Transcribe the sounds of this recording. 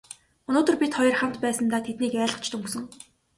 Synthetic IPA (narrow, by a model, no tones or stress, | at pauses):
ɵnoːt̪ɵ̆rpʲit̪χɔjɞ̆rχam̥t̪pæːsə̆nt̪aːt̪ʰet̪niːkæːɮə̆qt͡ɕʰt̪ɵŋksɵ̆ŋ